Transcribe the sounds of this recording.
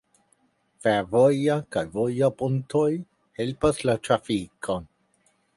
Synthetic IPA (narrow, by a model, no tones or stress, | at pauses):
feɾvojakajvojapontoj | he̞lpaslat̪ɾafikʰo̞n